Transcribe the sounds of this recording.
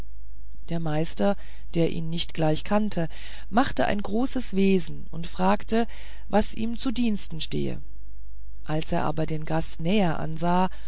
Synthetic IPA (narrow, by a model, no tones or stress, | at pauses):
d̥eːɐmaɪstɐ | d̥eːɐʔḭːnːɪçtɡ̥laɪçkʰantʰə | maχtəʔa̰ɪnɡʁoːsəsv̥eːzn̩ʊntfʁ̥aːktə | vasʔiːmt͡sudiːnstn̩ʃtḛːə̰ | ʔalsʔeːɐʔa̰ːbɐdeːnɡastnɛːɐʔa̰nzaː